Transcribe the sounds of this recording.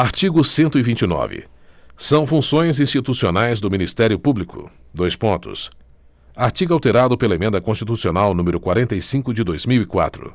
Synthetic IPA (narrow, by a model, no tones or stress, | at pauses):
aɾt͡ʃiɡʊsẽnt̪ʊivĩt͡ʃɪnɔ̰vɪ̰ | sɐ̃w̃fũsõj̃zĩst͡ʃit̪usionajzd̪ʊminist̪ɛɾjʊpublikʊ̰d̪ojspõnt̪ʊ̰s | aɾt͡ʃiɡawt̪eɾad̪ʊpelɐemẽnd̪ɐkõst͡ʃit̪usionawnũmeɾʊkwaɾẽnt̪ɐjsĩkʊd͡ʒɪd̪ojzmiwikwa̰t̪ɾʊ̰